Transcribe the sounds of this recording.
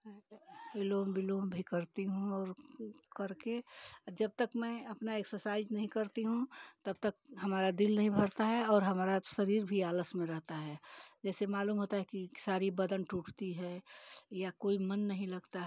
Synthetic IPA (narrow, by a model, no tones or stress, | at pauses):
bɪloːmbɪloːmbʱikɐɾt̪iɦũɔːɾkɐɾked͡ʒɐb̚t̪əkmɛ̃ɐpnaeksəɾsaɪznɐɦĩkɐɾt̪iɦũt̪ɐb̚t̪ɐk̚ɦɐmaːɾad̪ɪlnɐɦĩbʱɐɾt̪aɦɛɔːɾɦɐmaːɾasɐɾiːɾbʱiaːləsmẽɾɐɦt̪aɦɛd͡ʒɛːsemaːluːmɦoːt̪aɦɛkisaːɾibɐd̪ənʈuːʈʰt̪iɦɛːjakoːimɐnːɐɦĩlɐɡt̪a